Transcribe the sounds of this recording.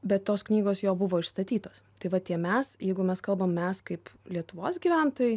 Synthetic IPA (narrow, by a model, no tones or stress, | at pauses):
bʲɛt̪t̪ːoːsknʲiːɡoːsjoːbʊʋoːɪʃst̪ɐt̪ʲiːt̪oːst̪ɐɪʋɐt̪ʲiɛmʲɛsjɛɪɡʊmʲɛskɐlˠbɐmmʲɛskɐɪplʲiɛt̪ʊʋoːsɡʲiːʋʲæˑnt̪oːjɪ